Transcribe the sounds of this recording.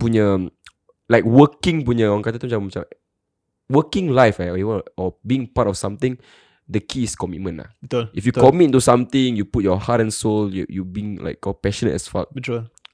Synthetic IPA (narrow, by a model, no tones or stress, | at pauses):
puɲə | laɪk̚wəkĩŋpuɲəɔãŋkat̪at̪umt͡ʃãmmat͡ʃa̰ | wəkɪ̃ŋlaɪfaiwəɔbĩːŋpatɔfsãmt̪ĩŋ | dəkʰiːskɔmit̚mə̃nla̰hulifjukɔmittusãmt̪ɪ̃ŋjuput̚jɔhatɛ̃nsoljujubĩŋla̰ɪkɔpɛʃɔ̃nə̰tɛ̰sfa̰t̚bitul